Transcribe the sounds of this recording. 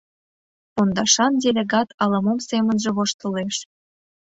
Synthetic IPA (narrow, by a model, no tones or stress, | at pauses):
pond̪ɑʃɑndʲelʲeɡɑt̪ɑlɑmomsemə̆nʒĕβoʃt̪ə̆leʃ